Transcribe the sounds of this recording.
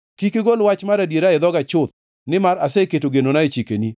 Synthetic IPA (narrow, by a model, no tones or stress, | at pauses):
kikeɡolwat͡ʃmaɾadjeɾaɪd̪ɔɡat͡ʃʊt̪̚ | nɪmaɾaseketoɡenonaet͡ʃikeni